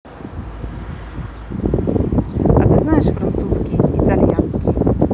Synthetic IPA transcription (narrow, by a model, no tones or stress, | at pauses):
a̰t̪ɘznaɛʂfɾant̪suskʲiːt̪alʲjanskʲi